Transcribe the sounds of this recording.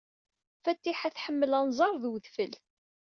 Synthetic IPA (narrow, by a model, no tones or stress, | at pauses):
fæt̪ːiħæθħəmːəlænzˤɑɾˤðwðfəl